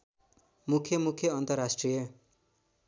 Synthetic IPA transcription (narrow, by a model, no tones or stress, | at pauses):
mukʰjʌmukʰjʌʌnt̪ʌrasʈrijʌ